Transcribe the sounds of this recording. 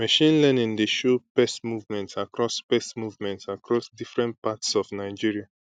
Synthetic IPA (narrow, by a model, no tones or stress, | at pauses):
mɛʃĩnlɛnĩndeʃopɛstmuvmɛ̃ntsakɹɔspɛsmuvmɛ̃ntsakɹɔsdifɹɛ̃nt̚patsɔvnaɪd͡ʒiɹia